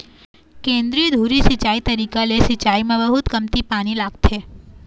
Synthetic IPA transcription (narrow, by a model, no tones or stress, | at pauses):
kẽːnd̪ɾiːod̪ʱuːɾisɪt͡ʃaːit̪əɾiːkalesɪt͡ʃaːimẽbəɦʊt̪kɐmt̪ipaːɽ̃ilaːɡ̚t̪ʰeː